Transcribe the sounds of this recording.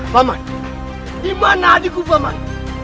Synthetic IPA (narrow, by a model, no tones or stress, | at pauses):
vama̰n | dimanadikuvama̰n